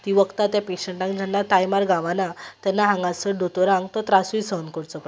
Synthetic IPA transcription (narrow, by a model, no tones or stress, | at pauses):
t̪iʋəkt̪at̪japeɕəɳʈãŋkd͡ʑʱəɳːat̪ajmaɾɡãʋanat̪janːaɦãŋɡasəɖot̪oɾãŋɡt̪ɔt̪ɾasuisənkoɽt͡sɔk